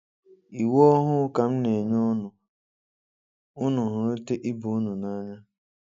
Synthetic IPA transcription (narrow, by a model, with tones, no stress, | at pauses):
i˨wo˦ɦʊ˦ka˨m̩˦ne˨ɲɔ˦nʊ˨ | ʊ˦nʊ˨ɦʊ˨e˦te˦ʔi˦bu˨ʊ˦nʊ˨na˦ɲa˦